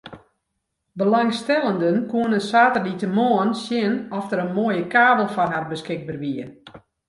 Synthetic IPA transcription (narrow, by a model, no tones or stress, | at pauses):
bəlaŋstɛlˠəndənkuənəsaːtərlitəmoənsjɪnɔfdəɾənmoəjəkaːbəlˠfɔnɦarbəskɪɡ̚bərʋiən